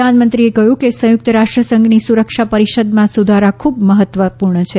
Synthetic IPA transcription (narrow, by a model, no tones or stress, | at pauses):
anmənt̪ɾiekəɦjũkesə̃jʊk̚t̪əɾaʃʈɾəsə̃ŋɡnisuɾəkʃapəɾiʃəd̪mãsud̪ʱaɾakʰubməɦət̪ʋəpuɾɳət͡ʃʰe